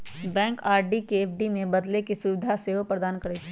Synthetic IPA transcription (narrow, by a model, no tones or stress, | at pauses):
bɛ̃ːŋkaːɾɖikeːpʰɖimẽbɐd̪lekesʊʋɪd̪ʱaseʋopɾəd̪aːnkɐɾeːt͡ʃʰ